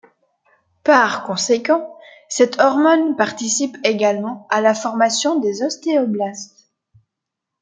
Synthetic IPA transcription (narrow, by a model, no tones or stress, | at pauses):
paʁkɔ̃sekɑ̃ | sɛt̪ʰɔʁmɔnpaʁt̪isipeɡalmɑ̃alafɔʁmasjɔ̃d̪ezɔst̪eɔblast̪